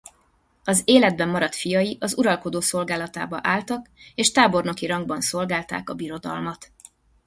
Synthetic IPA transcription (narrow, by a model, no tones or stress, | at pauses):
ɒzeːlɛd̪̚bɛmːɒɾɒt̪fijɒjiʔɒzuɾɒlko̞d̪oːso̞lɡaːlɒt̪a̰ːbɒʔaːlt̪ɒkeːʃt̪aːbo̞rno̞kiɾɒŋɡbɒnso̞lɡaːlt̪a̰ːkɒbiɾo̞d̪ɒ̰lmɒt̪